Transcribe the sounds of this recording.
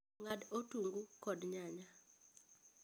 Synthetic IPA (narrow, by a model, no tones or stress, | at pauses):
ŋadotuŋɡukɔdɲaɲa